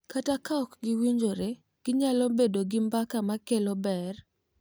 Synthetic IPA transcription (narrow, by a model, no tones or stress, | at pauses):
katakaɔkɡɪwiɲd͡ʒoɾe | ɡ̥ɪɲalɔbedoɡɪmbakamakelɔbɛr